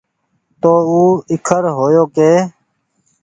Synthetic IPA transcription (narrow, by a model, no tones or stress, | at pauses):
t̪oːuːɪkʰəɾɦoːjoːkeː